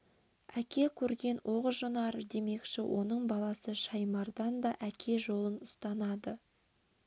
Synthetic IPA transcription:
ækʲe̞kʲʰɵɾɡʲe̞nwʔoʁəʒonɑɾəd̪e̞me̞kʃɪ̰wʔo̞̰nəɴbɑlˠɑsəʃɑjmɑɾd̪ɑnd̪ɑʔækʲʰe̞ʒo̞lˠənʊst̪ɑnɑd̪ə

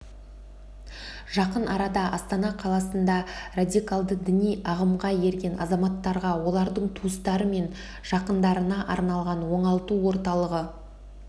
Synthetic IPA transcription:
ʒ̥ɑqənɑɾɑd̪ɑʔɑst̪ɑnɑqʰɑlˠɑsənd̪ɑrad̪ʲijkalˠd̪əd̪ɪnijɑʁəmʁɑje̞ɾɡʲe̞nʔɑ̰zɑmɑt̪ːɑɾʁɑwo̞lˠɑɾd̪əɴt̪ʰuəst̪ɑɾəme̞n | ʒ̥ɑqənd̪ɑɾənɑʔɑɾnɑlˠʁɑnwo̞ɴɑlˠt̪uwo̞ɾt̪ɑlˠəʁə

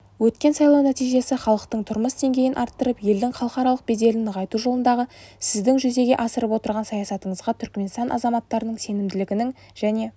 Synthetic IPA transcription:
wɵt̪kʲe̞nsɑjlˠɑwnæt̪ijʒe̞sɪχɑlˠəqt̪əɴt̪ʰʊɾməsd̪e̞ŋɡʲe̞jɪnʔɑɾt̪ːəɾəpje̞ld̪ɪŋχɑlˠəqɑɾɑlˠəq̚be̞d̪e̞lɪnʁɑjt̪uʒo̞lˠənd̪ɑʁəsɪzd̪ɪŋʒʏze̞ɡʲe̞ʔɑsəɾəpwo̞t̪əɾʁɑnsɑjɑsɑt̪əɴəzʁɑt̪ʰʏɾkʲme̞nst̪ɑnʔɑ̰zɑmɑt̪ːɑɾənəɴse̞nɪmd̪ɪlɪɡʲɪnɪŋ | ʒ̥æne̞

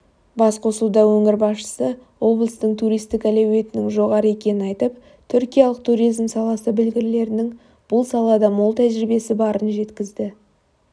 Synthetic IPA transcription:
bɑsqʰo̞səlˠud̪ɑwɵŋɪɾbɑsʃə̥səwo̞blˠəst̪əɴt̪ʰuɾijst̪ɪkælæwe̞t̪ɪnɪŋʒo̞ʁɑɾəe̞kʲe̞nɪnɑjt̪əp̚ | t̪ʰʏɾkʲijɑlˠəqt̪ʰuɾijzmsɑlˠɑsəbɪlɡʲɪɾle̞ɾɪnɪŋ | b̥ʊlˠsɑlˠɑd̪ɑmolˠt̪ʰæʒɾibe̞sɪbɑɾənʒe̞t̪kʲɪzd̪ɪ

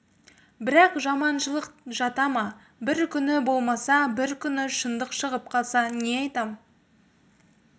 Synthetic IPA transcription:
bɪɾɑqʒɑmɑnʃəlˠəqʒɑt̪ɑmɑ | bɪɾkʲʰʏnɪbo̞lˠmɑsɑbɪɾkʲʰʏnɪʃənd̪əqʃəʁəp̚qʰɑlˠsɑneɑjt̪ɑm

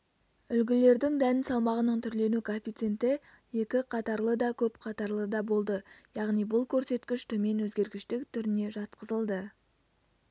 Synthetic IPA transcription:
ʏlɡʲɪle̞ɾd̪ɪŋd̪ænɪnsɑlˠmɑʁənəɴt̪ʰʏɾle̞nukʰofʲit̪sent̪ɪ | je̞kʲɪqʰɑt̪ɑɾlˠəd̪ɑkʲʰɵpqʰɑt̪ɑɾlˠəd̪ɑbo̞lˠd̪əjɑʁnijbʊlˠkʲʰɵɾse̞t̪kʲɪʃt̪ʰɵme̞nwɵzɡʲe̞ɾɡʲɪʃt̪ɪkt̪ʰʏɾɪne̞ʒɑt̪qəzəlˠd̪ə

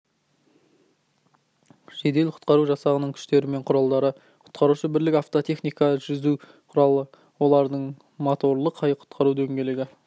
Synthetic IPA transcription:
ʒ̥e̞d̪e̞lqʰʊ̥t̪qɑɾuʒɑsɑʁənəɴkʲʰʏ̥ʃt̪e̞ɾɪme̞ɴqʰʊɾɑlˠd̪ɑɾə | qʰʊ̥t̪qɑɾuʃəbɪɾlɪkʲaft̪o̞t̪ʰe̞χnijkɑʒʏzu | qʰʊɾɑlˠə | wo̞lˠɑɾd̪əɴ | mot̪o̞ɾlˠəqʰɑjqʰʊ̥t̪qɑɾud̪eŋɡʲe̞leɡʲɪ

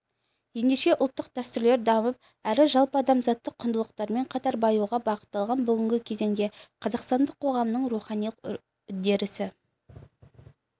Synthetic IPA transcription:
je̞nd̪e̞ʃe̞ʔʊlˠt̪ːəq̚d̪æst̪ʏɾle̞ɾd̪ɑməp̚ | æɾɪʒɑlˠpəɑd̪ɑmzɑt̪ːəqʰːʊnd̪əlˠəq̚t̪ɑɾme̞ɴqʰɑt̪ɑɾbɑjuʁɑbɑqə̥t̪ːɑlˠʁɑnbʏɡʲɪŋɡʲɪkʲʰe̞ze̞ŋd̪e̞qʰɑzɑqst̪ɑnd̪əqʰːo̞ʁɑmənəɴruχɑnijlˠəq | d̪e̞ɾɪsɪ

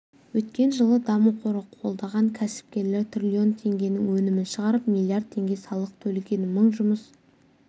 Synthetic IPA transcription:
wɵt̪̚kʲe̞nʒəlˠəd̪ɑmuqʰo̞ɾəqʰo̞lˠd̪ɑʁɑŋkʲʰæsɪ̥p̚kʲe̞ɾle̞ɾt̪ʰrʲilʲio̞nt̪ʰe̞ŋɡʲe̞nɪŋwɵnɪmɪnʃəʁɑɾəpmilˠiard̪̚t̪ʰːe̞ŋɡʲe̞sɑlˠəq̚t̪ʰɵlɡʲe̞nɪməɴʒʊməs

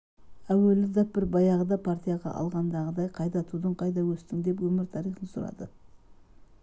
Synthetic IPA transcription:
æwelɪd̪ɑp̚bɪɾbɑjɑʁəd̪ɑpʰart̪ʲijaʁɑ̰ʔɑ̰lˠʁɑnd̪ɑʁəd̪ɑjqʰɑjd̪ɑt̪ʰud̪əɴqʰɑjd̪ɑwɵst̪ɪŋd̪e̞pwɵmɪɾt̪ʰɑɾijχənsʊɾɑ̰d̪ə

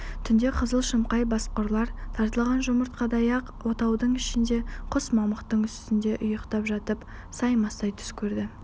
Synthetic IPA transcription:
t̪ʰʏnd̪e̞qʰəzəlˠʃəmqɑjbɑsqoɾlˠɑɾt̪ʰɑɾt̪əlˠɑʁɑnʒʊməɾt̪̚qʰɑd̪ɑjɑqwo̞t̪ɑwd̪əɴɪʃɪnd̪e̞qʰʊsmɑməqt̪əɴʏst̪ɪnd̪e̞ʔʊjəqt̪ɑpʒɑt̪əp | sɑjmɑst̪ɑjt̪ʰʏ̥skʲʰɵɾd̪ɪ

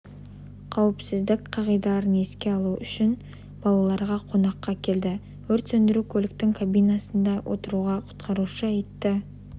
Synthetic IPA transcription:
qʰɑwɪpsɪzd̪ɪkʲqʰɑʁijd̪ɑɑɾəne̞skʲe̞ɑlˠuʔʏʃɪn | b̥ɑlˠɑlˠɑɾʁɑqʰo̞nɑqːɑkʲʰe̞ld̪ɪ | wɵɾt̪sɵnd̪ɪɾukʲʰɵlɪk̚t̪ɪŋkʰabijnɑsənd̪ɑwʔo̞̰t̪əɾuʁɑqʰʊ̥t̪qʰɑɾuʃəɑjt̪ːɪ

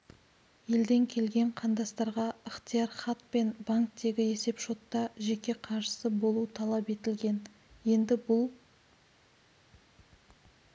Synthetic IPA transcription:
je̞ld̪e̞ŋkʲʰe̞lɡʲe̞ɴqʰɑnd̪ɑst̪ɑɾʁɑəχt̪ijɑrχɑt̪̚pe̞nbaŋk̚t̪e̞ɡʲɪe̞se̞pʃo̞t̪ːɑʒe̞kʲe̞qʰɑɾʃə̥səbo̞lˠut̪ʰɑlˠɑpe̞t̪ɪlɡʲe̞n | je̞nd̪ɪbʊlˠ

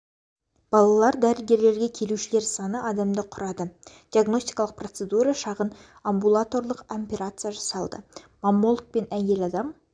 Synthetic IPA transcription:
b̥ɑlˠɑlˠɑɾd̪æɾɪlɡʲe̞ɾle̞ɾɡʲekʲʰe̞luʃɪle̞ɾsɑnəʔɑd̪ɑmd̪əqʰʊɾɑd̪əd̪̥ʲiaɡno̞sʲt̪ʲi̥jkɑlˠəq̚pro̞t̪se̞d̪uɾɑʃɑʁən | ambulˠat̪o̞rlˠəqampʲeɾat̪sɨjaʒɑsɑlˠd̪ə̰ː | amːolˠk̚pe̞næje̞lɑd̪ɑm

